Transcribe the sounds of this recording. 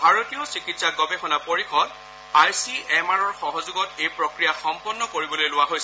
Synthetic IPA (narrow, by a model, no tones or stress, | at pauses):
bʱaɹotiɔsikitsaɡɔbexʰɔnapoɹixʰɔd | aɹsiɛmaɹɔɹxɔɦɔzuɡɔtejpɹɔkɹijaxɔmpɔnːɔkoɹibɔlojlʊwaɦojsɛ